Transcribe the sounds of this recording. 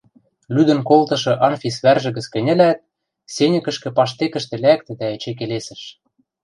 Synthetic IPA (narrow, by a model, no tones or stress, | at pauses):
lyd̪ɘ̆nkolt̪ɤ̆ʃɤ̆ʔɑnfʲisβærʒɘ̆ɣɘ̆t͡skɘ̆nʲɘ̆læt̪̚ | senʲɘ̆kɘ̆ʃkɘ̆pɑʃt̪ekə̆ʃt̪ɘ̆læk̚t̪ɘ̆d̪æĕt͡ɕek̬elesɘ̆ʃ